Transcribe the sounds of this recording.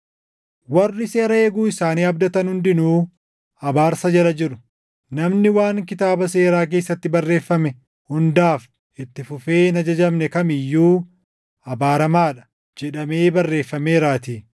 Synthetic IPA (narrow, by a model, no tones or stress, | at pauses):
wɐrːɪse̞ːɾɐeːɡuːɪsaːniːɐbd̪ɐt̪ɐnhʊnd̪ɪnuː | ɐbaːɾsɐd͡ʒɐlɐd͡ʒɪɾʊ | nɐmnɪwaːŋkɪt̪aːbɐse̞ːɾaːk̬e̞ːsːɐt̪ːɪbɐrːe̞ːfːɐmɛ | hʊnd̪aːf | ɪt̪ːɪfʊfe̞ːnɐd͡ʒɐd͡ʒɐmnɛkɐmɪjːuː | ɐbaːɾɐmaːᶑɐ̥ | d͡ʒɛᶑɐme̞ːbɐrːe̞ːfːɐme̞ːɾaːt̪iː